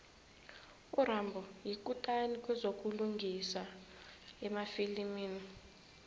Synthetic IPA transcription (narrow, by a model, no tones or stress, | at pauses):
uɾambʱɔjik̬ʼutʼanik̬ʼwɛzok̬ʼuluŋɡʱisa | ɛmafilimiːni